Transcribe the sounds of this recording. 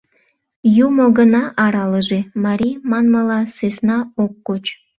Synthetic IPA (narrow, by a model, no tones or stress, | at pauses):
jumoɡənɑʔɑɾɑləʒemɑɾimɑnməlɑsøsnɑokːot͡ɕ